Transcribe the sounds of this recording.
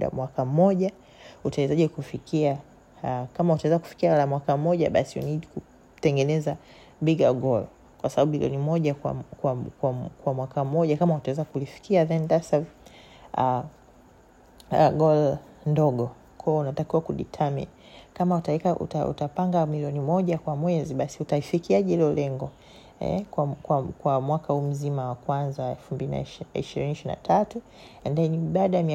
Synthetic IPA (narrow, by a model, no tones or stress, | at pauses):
uɗa̰mwakam̩ːɔʄa | utaɛzaʄɛkufikia | kamautawɛzaku̥fi̥kialamwakam̩ɔʄa̰ɓasiṵniɗiku | tɛŋɡɛnɛza | biɡaɡɔl | kwasaɓaɓuiljɔ̰nimɔʄakwa̰kwakwakwamwakam̩ːɔʄakamahutawɛzakulifi̥kiaðɛndasav | a | ɡɔl | ndɔɠɔ | kʰɔɔunatakiwakuɗḭtʰamḭnikamautaɛkaṵtaṵtapaŋɡamiliɔnimɔʄakwamwɛziɓasiutaifikiaʄɛlɛɔlɛŋɡɔ | ɛ̰kwakwakwamwakahum̩zimawakwanzaɛlfumbilina̰ḭʃiɾiniʃiɾina̰tʰatu | ɛndaɛniɓaːɗaamia